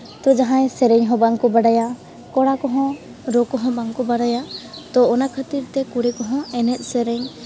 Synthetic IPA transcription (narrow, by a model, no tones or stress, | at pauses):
t̪ɔd͡ʒaɦãjsɛɾɛɲɦɔ̃baŋkɔbaɽaja | kɔɽakɔɦɔ̃ | ɾɔkɔɦɔ̃baŋkɔbaɽajat̪ɔːnakʰət̪iɾt̪ɛkuɽɛkɔɦɔ̃ɛnɛt̪̚ˀsɛɾɛɲ